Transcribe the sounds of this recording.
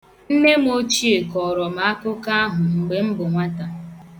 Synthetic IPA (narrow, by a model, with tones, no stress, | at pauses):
n̩˦ne˦m˦o˦t͡ʃi˦e˨kɔ˨ɾɔ˨ma˦a˦kʊ˦ka˦a˦ɦʊ˨ŋ͡m̩˨ɡ͡be˨m̩˦bʊ˨ŋʷa˦ta˨